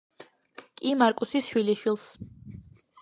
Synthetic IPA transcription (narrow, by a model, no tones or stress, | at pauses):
kʼimaɾkʼusisʃwiliʃwilˠs